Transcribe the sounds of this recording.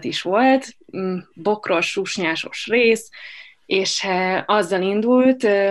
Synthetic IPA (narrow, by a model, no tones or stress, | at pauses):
t̪iʃʋo̞lt̪ː | bo̞kro̞ʃuʃɲaːʃo̞ʃreːs | eːʃɛɒzːɒlind̪ult̪